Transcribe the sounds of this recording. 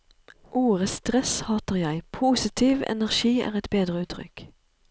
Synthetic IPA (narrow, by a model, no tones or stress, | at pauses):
ʔuːʁəst̪ʁɛshɑːt̪əʁjæɪpʰuːsɪt̪ʰiːʋɛ̰næʁʃiːæ̰ːʁɛt̪beːd̪ʁəʉːt̪ʰʁʏ̰k